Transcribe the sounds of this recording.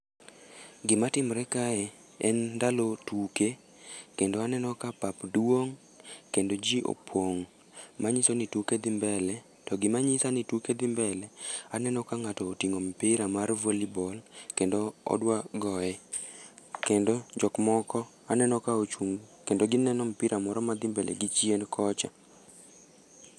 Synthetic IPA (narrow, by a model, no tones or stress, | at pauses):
ɡɪmatɪmɾɛkaɛ | ɛndalotuke | kendoanɛnɔkapapdwoŋ | kendod͡ʒiʔo̰pʰwoŋ | maɲisonituked̪ɪmbɛlɛ | tɔɡɪmaɲɪsanituked̪ɪmbɛlɛanɛnɔkaŋatɔːtiŋompɪɾamarvolibɔlkendoɔ̰dwaɡɔɛ | kendod͡ʒɔkmɔkɔ | anɛnɔkaot͡ʃuŋkendoɡɪnɛnɔmpɪɾamɔɾɔmad̪ɪmbɛlʔɛ̰ɡɪt͡ʃjenkʰɔt͡ʃa